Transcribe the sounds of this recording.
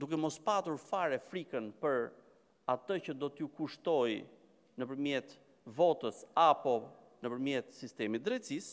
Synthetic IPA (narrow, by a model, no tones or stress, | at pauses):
d̪ukɛmɔspat̪uɾfaɾɛfɾikənpəɾ | at̪əcəd̪ɔt̪əukuʃt̪ɔj | nəpəɾmjɛt̪ | vɔt̪əsapɔ | nəpəɾmjɛt̪sist̪ɛmit̪̚d̪ɾɛt̪sis